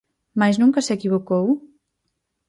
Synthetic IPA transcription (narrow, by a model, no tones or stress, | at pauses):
majznũŋkɐsekiβokow